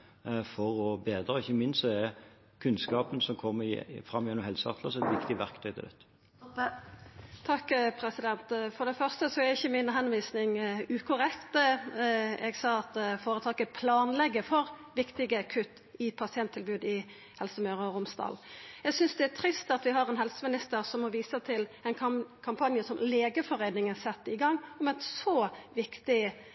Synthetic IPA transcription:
fɔʁɔbeːd̪ɾəɪçːəmɪnsɛɛ | kʰʉnskɑːpənsɔmkʰɔmːəfɾɑmːɪjɛnːɔmhɛlsəɑ̰ʁt̪ləsɔɛt̪ʋɪkt̪ɪʋæʁkt̪ʰœʏt̪ɪlɛ̰t̪ːə̥ | t̪ʰɑkːpʰɾɛsɪd̪ɛnt̪fɔʁd̪ɛfœʁst̪əsɔɛɾɪçːəmɪnɦɛnʋiːsnɪŋʉːkʰʊɾɛkt̪ | ɛɡsɑːɑt̪foːɾət̪ʰɑːkəpʰlɑːnlɛɡːəfɔɾʋɪkt̪ɪɡəkʰʉt̪ː | ɪpʰɑsɪɛnt̪ʰːɪlbʉːd̪ɪ | hɛlsəmœːɾɔɾʊmst̪ɑ̰ːljɛɡsʏnsd̪ɛæt̪ʰɾɪst̪ɑt̪ʋɪɦɑɾɛnɦɛlsəmɪnɪst̪əɾsɔmːɔʋiːsət̪ʰɪlɛnkʰɑmpʰɑnjəsɔmleːɡəfɔɾeːnɪŋənsɛt̪ːəɪɡɑŋːɔmɛnsɔʋɪkt̪ɪ

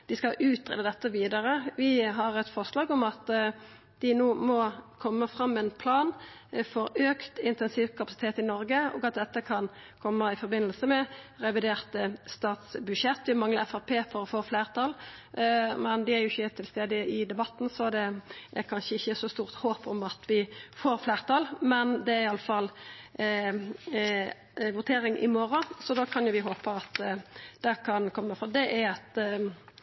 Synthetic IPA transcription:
d̪ɪskɑʔʉːt̪ʁḛːd̪əd̪ɛt̪ːəʋiːd̪əʁəʋɪɦɑʁɛt̪fɔʁʂlɑːɡʊmɑt̪ | d̪̥ɪnuːmɔkʰɔmːəfʁɑmːɛnpʰlɑːn | fɔɾøːkt̪ɪnt̪ɛnsiːʋkʰɑpɑsɪ̥t̪ʰeːt̪ɪnɔɾɡəɔ̰ːɡɑt̪̚d̪ɛt̪ːəkʰɑnkʰɔmːəɪfɔɾbɪnːəlsəmɛʁɛʋɪd̪eːʁt̪əst̪ɑːt̪sbʉʂɛt̪ːʋɪmɑŋləɛfɑʁpʰeːfɔɾɔfoːfleːʁt̪ʰɑl | mɛnd̪ɪæɾjʊɪçːət̪ʰɪlst̪eːd̪əɪd̪ɛbɑt̪ːn̩sɔd̪ɛʔæɾkʰɑnʃəɪçːəsɔst̪uːʁt̪hoːpɔmɑt̪ʰʋɪfoːɾfleːʁt̪ʰɑːlmɛnd̪ɛæɾɪɑlːəfɑlː | ʋʊt̪ʰeːɾɪŋʔɪ̰moːɾɑsɔd̪ɑkʰɑnjʊʋɪɦoːpəɑt̪d̪̥ɛkʰɑnkʰɔmːəfɔd̪ɛʔæɑt̪

